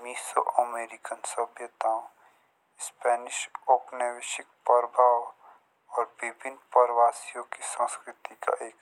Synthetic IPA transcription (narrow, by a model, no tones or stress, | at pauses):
miːso̰ʔɐmeːɾɪkənsəbʱjət̪ãːõ | spɛːnɪʃoːpnəʋɪʃɪk̚pəɾbʱaːw | ɔːɾbɪbʱɪnpəɾʋaːsijõkisə̃skɾɪt̪ika̰ʔeːk